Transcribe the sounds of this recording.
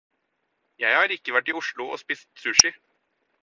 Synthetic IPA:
jæɪhɑːɾɪkːəʋæʈːɪʊʃɭʊʔo̰ːspɪst̪sʉːʂɪ

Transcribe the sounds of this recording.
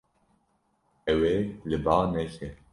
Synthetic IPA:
ɛwelɨbaːnɛʃɛ

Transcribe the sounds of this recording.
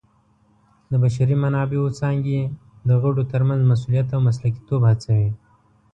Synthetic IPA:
d̪əbaʃ̬aɾimanɑbeot͡sɑŋɡe | d̪əɣaɖot̪əɾmanzmas̬ulijat̪awmas̬laki̥t̪obhat͡sawi

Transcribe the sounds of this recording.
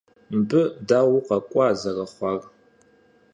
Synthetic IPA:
mbɨdaːwqɑkʷʼɑzɐrɐχʷɑːr

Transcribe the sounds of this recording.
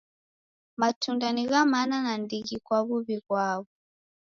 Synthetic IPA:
matundaniɣamananandiɣikwaβuβiɣwaβu

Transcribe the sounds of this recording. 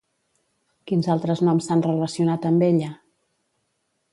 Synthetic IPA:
kinzalˠt̪ɾəznɔmsanrələsiunat̪əmbeʎə

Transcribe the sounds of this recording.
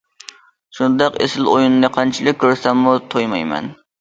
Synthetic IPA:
ʃund̪ɑqḛsɪlˠojunnɨqʰɑnt͡ʃʰilˠɪk̚ʲʰːøɾsɛmːut̪ʰojmɑjmɛ̰n

